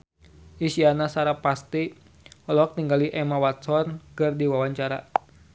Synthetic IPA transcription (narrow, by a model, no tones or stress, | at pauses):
isianasaɾapast̪i | ɔlɔk̚t̪iŋɡaliʔɛmawat̪sɔnkɨrdiwawaɲt͡ʃaɾa̰